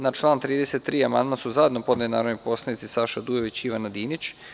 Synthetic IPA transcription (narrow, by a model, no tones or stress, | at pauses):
nat͡ʃlˠaːnt̪ɾiːd̪e̞set̪ːɾiːamand̪masuzajenopod̪elinaːɾoʋnipo̞slˠanit̪sisaʃad̪uje̞ʋit͡ɕiʋanad̪iːnit͡ɕ